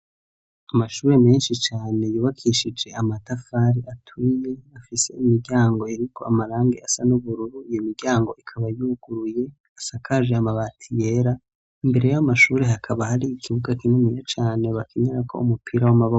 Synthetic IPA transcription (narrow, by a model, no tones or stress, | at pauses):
amaʃuːɾe̞me̞ːnʃit͡ʃaːne̞juːβakʰiʃid͡ʒe̞amatafaɾiʔatʰuje̞afise̞̰imiɟaːŋɡo̞eɾikʰo̞amaɾaːŋɡeasanuβuɾuɾuijomiɾɟaːŋɡo̞ʔikʰaβajuuɡ̥uɾuje̞ | asakʰaʒeamaβatʰije̞ɾa | imbe̞ɾe̞jamaʃuːɾe̞ɦakʰaβahaɾiːkʰiβuɡakinumijat͡ʃaːne̞βakʰiɲaɾakʰo̞̰umupʰiɾawamaβo